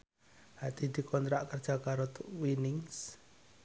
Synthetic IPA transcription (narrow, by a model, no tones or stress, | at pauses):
hat̪id̪̥i̤kʰɔnt̪ɾaʔkərd̥ʒ̥a̤kaɾot̪winɪŋs